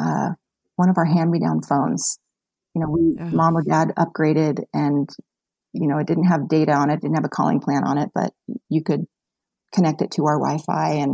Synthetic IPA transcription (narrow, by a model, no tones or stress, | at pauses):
ʌ̰ | wʌ̃ɾ̃ʌvə˞ɦæ̃nɹidã̰ʊ̃nfõʊ̃nz̥ | jɨñoʊwimɑ̃mlədæɾʌ̰p̚ɡ̥ɹeɪɾɪɾɨ̃n | jɨnoʊɨt̚d̥ɪdⁿn̩t̚ɦəvdeɪɾɨə̃ñɨt̚d̥ɪdⁿn̩təvəkʰɔ̰lˠɪ̰̃ŋpʰl̥æ̃ñə̰̃ñɪt̚b̥ʌ̰t͡ʃ̚ɨkɨd̚ | kʰɨnɛk̚tɨtʰəaʊə˞wa̰ɪfa̰ɪɨ̃n